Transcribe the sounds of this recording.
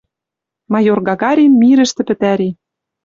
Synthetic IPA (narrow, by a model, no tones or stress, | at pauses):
mɑjorɡɑɣɑɾʲinmiɾɘ̆ʃt̪ɘ̆pɘ̆t̪æɾi